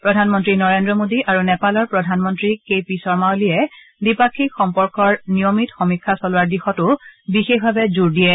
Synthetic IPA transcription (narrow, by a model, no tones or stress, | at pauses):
pɹɔdʱanmɔntɹinɔɹendɹɔmodiʔaɹunɛpalɔɹpɹɔdʱanmɔntɹikepisɔɹmaoliɛ | dipakʰːikxɔmpɔɹkɔɹnijomitxɔmikʰːasɔlʊwaɹdixɔtʊbixexbʱabɛzuɹdijɛ